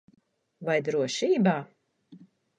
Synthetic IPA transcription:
vajd̪ɾuɔʃiːbaː

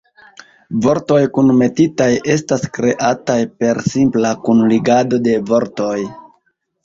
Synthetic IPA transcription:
vo̞ɾto̞jkunme̞titajʔe̞staskɾe̞ʔatajpe̞ɾsimplakunliɡado̞de̞vo̞ɾto̞j

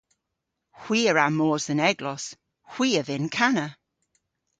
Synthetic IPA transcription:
hw̥iːəɹamɔːzənɛɡlɔs | hw̥iːəvɪnkʰanə

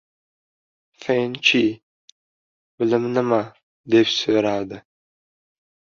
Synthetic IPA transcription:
fent͡ʃʰi | bɨlɨmnɨma | d̪epsøɾaːd̪ɨ

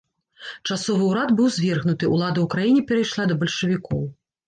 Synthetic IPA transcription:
t͡ʂasɔvɨuɾad̪bɨwzʲvʲɛrɣnut̪ɨulˠad̪ɐukɾajinʲipʲɛɾɐjʂlˠad̪ɐbɐlʲʂɨvʲikɔw

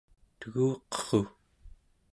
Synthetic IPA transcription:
t̪əɣuːqʌ̥χo

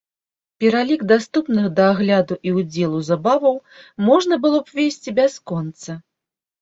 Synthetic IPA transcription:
pʲɛɾalʲiɡd̪ast̪upnɨxd̪ɐːɣlʲad̪uʔiud͡zʲɛlˠuzabavɐwmɔʐnɐbɨlˠɔpvʲesʲt͡sʲibʲaskɔnt̪sɐ

